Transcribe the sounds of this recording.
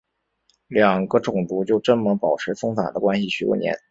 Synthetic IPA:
ljɑ˨˩ŋɡə˦ʈ͡ʂʊ˨˩ŋt̪u˧˥t͡ɕjo˥˩ʊʈ͡ʂə˥nmə˧˥pɑ˨˩ʊʈ͡ʂʰɻ̩˧˥fɤ˥ŋfa̰˨˩d̪ə˦kwa˥nɕi˨˩ɕy˧˥kwɔ̰˥˩njɛ̰˧˥n

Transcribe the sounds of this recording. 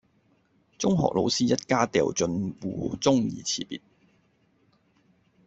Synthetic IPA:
t͡sʊ˥ŋɦɔ̰ː˨k̚lo˨˧wsiː˥jɐ˥t̚kaː˥t̪ɛ̰ː˨˩wt͡sɵ˧nwuː˨˧t͡sʊ˥ŋjḭː˨˩t͡sʰiː˨˩pḭː˨t̚

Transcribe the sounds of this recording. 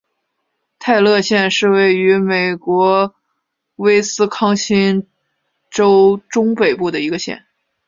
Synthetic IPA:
t̪ʰa˥˧ɪlɤ˥˧ɕjɛ˥˧nʂɻ̩˥˧we˥˩ɪy˧˥me˨˩ɪkwɔ˧˥ | we˥ɪsɹ̩˥kʰɑ˥ŋɕi˥n | ʈ͡ʂo˥ʊʈ͡ʂʊ˥ŋpe˨˩ɪpu˥˩d̪ə˩i˧˥ɡə˧ɕjɛ̰˥˩n

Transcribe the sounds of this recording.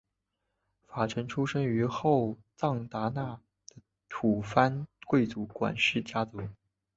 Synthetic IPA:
fa˨˩ʈ͡ʂʰə˧˥ŋʈ͡ʂʰu˥ʂɤ˥ŋy˧˥xo˥˩ʊt͡sɑ˥˩ŋt̪a˧˥na˥˩ | d̪̥ə˩ | t̪ʰu˨˩fa˥nkwe˥˩ɪt͡su˧˥kwa̰˨˩nʂɻ̩˥˩t͡ɕja˥t͡su˧˥

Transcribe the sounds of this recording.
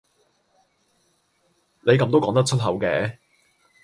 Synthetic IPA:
ne˨˧jkɐ˧mt̪o˥wkɔː˨˥ŋt̪ɐ˥k̚ʰɵ˥t̚ɦɐ˨˥wkɛː˨˥

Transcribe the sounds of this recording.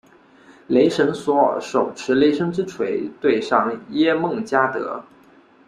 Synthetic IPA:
le˧˥ɪʂə˧˥nswɔ̰˧˥˨ʂo˨˩ʊʈ͡ʂʰɻ̩˧˥le˧˥ɪʂɤ˥ŋʈ͡ʂɻ̩˥ʈ͡ʂʰwe˧˥ɪt̪we˥˧ɪʂɑ˥˩ŋjɛ˥mɤ˥˩ŋt͡ɕja˥t̪ɤ̰˧˥

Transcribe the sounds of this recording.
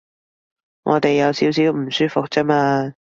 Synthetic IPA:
ŋʔɔ̰˨˧t̪e˨jːɐ˨˧wsiː˨˥wsiː˨˥wm̩˨˩syː˥fʊ˨k̚t͡sɛː˥maː˧

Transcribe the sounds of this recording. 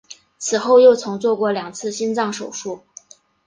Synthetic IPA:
t͡sʰɹ̩˨˩xo˥˧ʊjo˥˩ʊt͡sʰɤ˧˥ŋt͡swɔ˥˧kwɔ˥˩ljɑ˨˩ŋt͡sʰɹ̩˥˩ɕi˥nt͡sɑ˥˩ŋʂo˨˩ʊʂu˥˩

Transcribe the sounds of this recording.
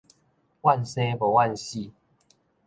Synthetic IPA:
wa˥˨nse˦bo˨wa˥˧nɕi˥˨

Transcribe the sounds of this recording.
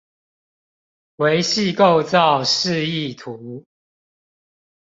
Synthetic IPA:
we˨˦ɪɕi˥˨ko˥˨ʊt͡sɑ˥˨ʊʂɻ̩˥˧i˥˨t̪ʰu˨˦

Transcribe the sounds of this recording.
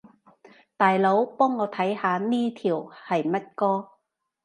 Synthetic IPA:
t̪aː˨jlo˨˥wpɔː˥ŋːɔː˨˧t̪ʰɐ˨˥jhaː˨˧niː˥t̪ʰiː˨˩whɐ˨jmɐ˥t̚kɔː˥

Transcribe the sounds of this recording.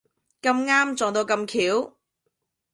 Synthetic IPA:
kɐ˧mŋaː˥mt͡ʃt͡sɔː˨ŋt̪o˧wkɐ˧mkʰiː˨˥w

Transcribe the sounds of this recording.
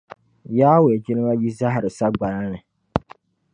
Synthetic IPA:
jaː˦we˨d͡ʒɪ˦nɨ˦ma˦ji˦za˦ɦɾɨ˨sa˦ɡ͡ba˨la˦nɨ˨

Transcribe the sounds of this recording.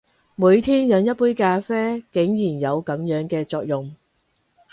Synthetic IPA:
muː˨˧jt̪ʰiː˥njɐ˨˧njɐ˥t̚puː˥jkaː˧fɛː˥kɪ˨˥ŋjiː˨˩njɐ˨˧wkɐ˨˥mjœː˨˥ŋkɛː˧t͡sɔː˧k̚jʊ˨ŋ

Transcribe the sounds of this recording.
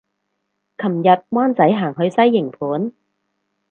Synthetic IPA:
kʰɐ˨˩mjɐ˨t̚waː˥nt͡sɐ˨˥jɦaː˨˩ŋɦɵ˨˧ɥsɐ˥jːɪ˨˩ŋpʰuː˨˥n

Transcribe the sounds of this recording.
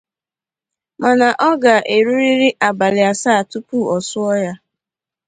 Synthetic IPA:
ma˨na˨ʔɔ˦ɡa˨ʔe˨ɾu˦ɾi˦ɾi˦ʔa˨ba˨lɪ˨a˨saː˦˨tu˦pu˦˨ɔ˨sʊ˦ɔ˦ja˦

